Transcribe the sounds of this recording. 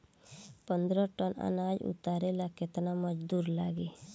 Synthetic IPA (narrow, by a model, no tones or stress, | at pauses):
pənd̪ɾɔʈɔna̰nad͡ʒṵt̪aɾelaket̪namɔd͡ʒd̪uɾlaɡe